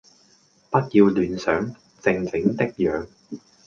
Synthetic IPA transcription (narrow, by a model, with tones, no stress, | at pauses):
pɐ˥t̚jiː˧wlyː˨˧nsœː˨˥ŋ | t͡sɪ˧ŋt͡sɪ˨˥ŋt̪ɪ˥k̚jœː˨˧ŋ